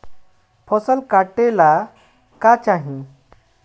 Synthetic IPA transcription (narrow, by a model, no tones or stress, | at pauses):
pʰɔsəlkaʈela | kat͡ɕaɦĩ